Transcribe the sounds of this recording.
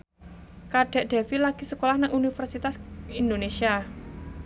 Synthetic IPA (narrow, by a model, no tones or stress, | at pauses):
kaɖ̥ɛ̤ʔɖ̪̥ɛ̤filaɡ̥i̤səkolahnaŋunifərsit̪asind̪onesia